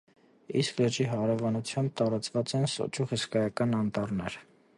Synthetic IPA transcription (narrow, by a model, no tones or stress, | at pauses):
isklət͡ʃiɦɑɾɛvɑnut͡sʰjɑmb̚t̪ɑɾɑt͡svɑt͡sɛnsɔ̰t͡ʃuhəskɑjɑkɑnɑnt̪ɑrnɛɾ